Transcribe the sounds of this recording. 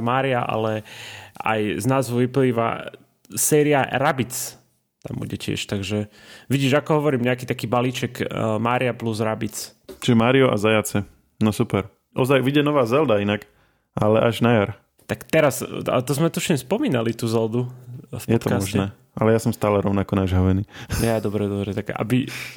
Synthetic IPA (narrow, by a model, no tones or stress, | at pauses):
maːɾiaʔa̰lɛ | a̰jznaːzɦɔʋipliːʋa̰ | sɛːɾiaɾabit͡s | t̪a̰mbṵɟɛcɪɛ̰ʃt̪aɡʒɛ | ʋiɟiːʒakɔɦɔʋɔɾiːmɲɛakiːt̪akiːbaliːt͡ʃɛkmaːɾiapluzɾabit͡s | t͡ʃiʒɛmaːɾiɔʔa̰zajat͡sɛ | nɔsupɛɾ | ʔɔzajʋiɟɛnɔʋaːzɛld̪ainak | ʔalɛʔaʒnajaɾ | t̪akt̪ɛɾasa̰t̪ɔzmɛt̪uʃimspɔmiːnalit̪uzɛld̪ufpjɔɛt̪ɔkamɔsʒnɛɛː | alɛjaːsɔmst̪aːlɛɾɔʊnakɔnaʒɦaʋɛniːjad̪ɔbɾɛd̪ɔbɾɛt̪aɡa̰bi